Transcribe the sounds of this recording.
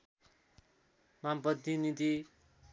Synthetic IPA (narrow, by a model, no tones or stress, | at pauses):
mambʌd̪ʱinid̪i